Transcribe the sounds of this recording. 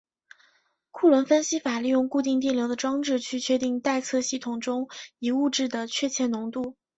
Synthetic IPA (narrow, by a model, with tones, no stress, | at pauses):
kʰu˥˩lwə˧˥nfə˥nɕi˥fa˨˩li˥˧jʊ˥˧ŋku˥˧t̪i˥˧ŋt̪̬i˥˩ljo˧˥ʊd̪ə˧ʈ͡ʂwɑ˥ŋʈ͡ʂɻ̩˥˧t͡ɕʰy˥˩t͡ɕʰɥɛ˥˧t̪i˥˧ŋt̪a˥˧ɪt͡sʰɤ˥˧ɕi˥˩t̪ʰʊ˨˩ŋʈ͡ʂʊ˥ŋi˨˩u˥˧ʈ͡ʂɻ̩˥˩d̪ə˩t͡ɕʰɥɛ˥˧t͡ɕʰjɛ˥˩nʊ˧˥ŋt̪u˥˩